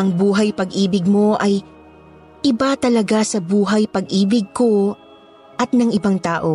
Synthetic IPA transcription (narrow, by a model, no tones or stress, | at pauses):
ʔɐŋbuːɦɐjpɐɡʔiːbɪɡ̚mo̞ʔɐj | ʔɪbat̪ɐlɐɡasɐbuːɦɐjpɐɡʔiːbɪɡ̚ko̞ | ʔɐt̪̚nɐŋʔɪbaŋt̪aːʔo̞